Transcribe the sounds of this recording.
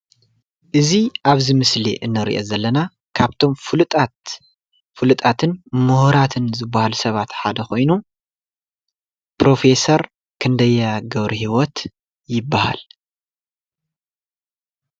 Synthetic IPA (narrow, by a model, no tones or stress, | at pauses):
ʔɨziʔaβzimɨslḭʔɨnːɨɾḭʔo̞̰zɐlːɐna | kʰaβt̪ʰo̞mfɨlt̪ʼat̪ | fɨlɨt̪ʼat̪ʰɨnmuhɾat̪ʰɨnzɨbːahalusɐβat̪ħad̪ɐxo̞jnu | pɾo̞fe̞sɐɾ | kʰɨnd̪ɐjːaaɡɐβɾihiwɔt̪ | jɪbːaha̰l